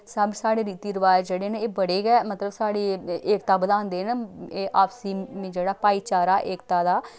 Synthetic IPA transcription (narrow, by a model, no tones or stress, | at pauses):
səbsaːɽeːɾiːt̪iːɾɪʋaːd͡ʒeːɽeːneeːbəɽeːɡɛːmət̪ləbsaːɽeːeːkt̪aːbəd̪aːnd̪eːneːʔaːpsiːmẽːd͡ʒeːɽaːpaːiːt͡ʃaːɾaːʔeːkt̪aːd̪aː